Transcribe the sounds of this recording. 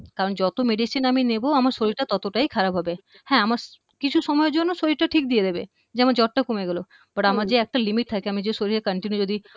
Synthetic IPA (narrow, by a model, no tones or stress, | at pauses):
kaɾond͡ʑɔt̪omeɖisinamineboamaɾʃoɾiɾʈat̪ɔt̪oʈajkʰaɾabɦɔbe | hɛ̃amaɾ | kit͡ɕʰuʃɔmɔeɾd͡ʑonːoʃoɾiɾʈaʈʰik̚d̪ied̪ebḛ | d͡ʑeamaɾd͡ʑɔʈ̚ʈakomeɡelo | baʈamaɾd͡ʑeɛk̚ʈalimiʈ̚t̪ʰakeamid͡ʑeʃoɾiɾʈakəɳʈinjud͡ʑod̪i